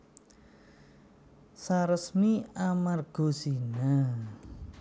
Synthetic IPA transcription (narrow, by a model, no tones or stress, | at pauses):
saɾəsmiamarɡ̥o̤sina